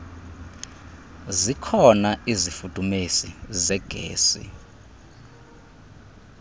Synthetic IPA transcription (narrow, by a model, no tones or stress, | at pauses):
zikʰɔnaizifud̥ʼʱumesizɛɡ̥ʱḛːsḭ